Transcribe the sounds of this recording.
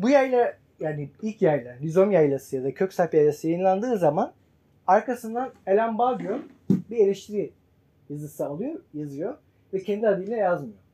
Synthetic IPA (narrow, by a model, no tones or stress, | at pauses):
bujajlʲˠa | jaːniilʲcjæjlʲɛlʲizo̞mjajlˠasɯjad̪acʰø̞csaɾpjajlˠasɯjajɯnlˠand̪ɯːzaman | aɾkʰasɯnd̪anelʲæmbaɡjon | bielʲiʃt̪ʰiɾi | jazɯsɯalˠɯjojazɯjo | vɛcʰend̪iad̪ilʲiɛjazmɯjo